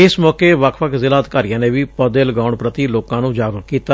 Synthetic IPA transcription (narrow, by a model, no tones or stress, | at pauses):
ɪsmɔːkeːʋəkʰʋəkʰzɪlaːd̪kaːɾijãːnẽːʋiːpəd̪eːlɡaːʊɳpɾət̪iːloːkãːnũːd͡ʒaːɡɾəkiːt̪a